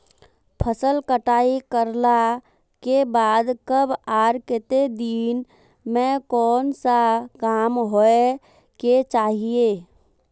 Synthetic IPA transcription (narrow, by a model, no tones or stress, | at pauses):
pʰəsəlkəʈaːikəɾla | kebaːd̪kəbaːɾket̪ed̪iːn | mẽkɔːnsakaːmɦoe | ket͡ʃaːɦijeː